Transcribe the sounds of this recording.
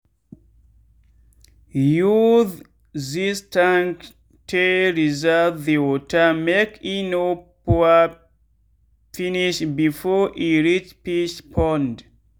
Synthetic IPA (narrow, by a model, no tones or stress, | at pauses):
juð | zistʰãŋk | tʰeɹizəvðiɔtʰəmekʰinopɔə | finiʃbifɔʔiɹit͡ʃpiʃpʰɔ̃nd